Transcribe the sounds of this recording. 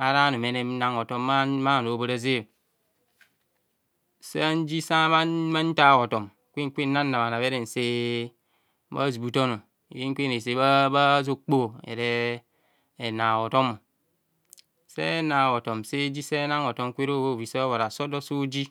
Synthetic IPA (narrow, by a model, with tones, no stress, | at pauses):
a˨ɾa˦no˨me˨ne˦m˦na˦ŋo˨to˦mːa˦ma˦˨no˨bo˦˨ɾa˦ze˦˨ | se˦n˦d͡ʒi˦sa˦ma˦ma˦n̩˦ta˦˨wo˨to˨m | kʷe˦ŋ˦kʷe˦na˦nː˦a˨ma˨na˨βe˦ɾe˨n̩˨se˦ | ba̰˦zi˨bu˦to˦no˨ | je˦ŋ˦kʷe˦ne˨se˦ba˦ba˦zo˦k͡po˦ḛ˨ɾe˦˨ | na˨wo˨to˦mo˨ | sḛ˦na˨wo˨to˨mse˦d͡ʒi˦se˦na˦ŋo˨to˦m˦kʷe˦ɾo˦bo˦˨vi˨se˦βo˨ɾa˨so˦do˦so˦d͡ʒi˦